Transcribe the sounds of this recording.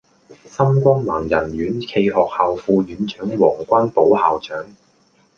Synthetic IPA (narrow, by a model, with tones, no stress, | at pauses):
sɐ˥mkʷɐ˥nmaː˨˩ŋjɐ˨˩nɥyː˨˥nkʰe˧jɦɔː˨k̚haː˨wfuː˧jyː˨˥nt͡ʃœː˨˥ŋwɔː˨˩ŋkʷɐ˥npo˨˥whaː˨wt͡ʃœː˨˥ŋ